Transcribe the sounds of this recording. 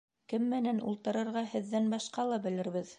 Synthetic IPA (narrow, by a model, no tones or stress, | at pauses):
kɘmːɘ̆nænṵlˠt̪ɤ̆ɾɤ̆ɾʁɑhɘ̆ðːænbɑʃqɑlˠɑbɘ̆lɘ̆ɾβɘð